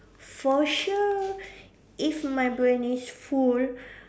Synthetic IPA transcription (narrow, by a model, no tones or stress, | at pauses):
fɔʃu | ifmajbɹẽnisful